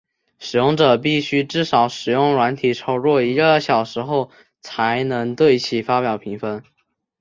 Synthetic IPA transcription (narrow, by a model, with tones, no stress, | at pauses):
ʂɻ̩˨˩jʊ˥˩ŋʈ͡ʂɤ˨˩p̬i˥˩ɕy˥ʈ͡ʂɻ̩˥˩ʂɑ˧˥ʊʂɻ̩˨˩jʊ˥˩ŋɻwa˧˥nt̪ʰi˨˩ʈ͡ʂʰo˥ʊɻwɔ˥˩i˧˥˩ɕjɑ˨˩ʊʂɻ̩˧˥xo˥˩ʊ | t͡sʰa˧˥ɪnɤ˧˥ŋt̪we˥˩ɪt͡ɕʰi˨˩fa˥pjɑ˨˩ʊpʰi˧˥ŋfə˧˥n